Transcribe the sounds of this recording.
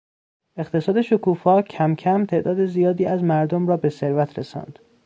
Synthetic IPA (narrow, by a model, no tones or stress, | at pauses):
e̞χt̪ʰe̞sɒːd̪e̞ʃokuːfɒːcʰæmcʰæmt̪ʰe̞ʔd̪ɒːd̪ezijɒːd̪iːæzmæɾd̪omɾɒːbe̞seɾvæt̪ʰɾesɒ̰ːnd̪̥